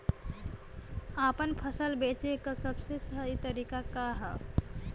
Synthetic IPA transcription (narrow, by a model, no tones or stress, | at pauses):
apənpʰəsəlbet͡ʃekəsəbset̪ʰəit̪əɾikakaɦə